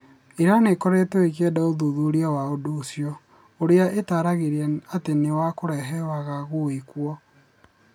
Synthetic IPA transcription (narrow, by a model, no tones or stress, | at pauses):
eɾanekɔɾetɛekɛdaoðoðuːɾiawaodoːsjɔ | oɾeaʔetaɾaɣeɾeɛatenewakoɾɛɦɛwaɣaɣoikwɔ